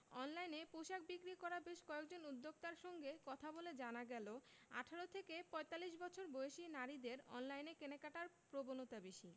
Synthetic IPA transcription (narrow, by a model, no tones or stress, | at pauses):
ɔnlajnepoʃak̚bikɾikɔɾabeʃkɔekd͡ʑonud̪ːoɡ̚t̪aɾʃɔŋɡekɔt̪ʰaboled͡ʑanaɡɛloa̰ʈʰaɾot̪ʰekepɔet̪alːiʃbɔt͡ɕʰoɾboeeʃinaɾid̪eɾɔ̰nlajnekenekaʈaɾpɾobonot̪abeʃi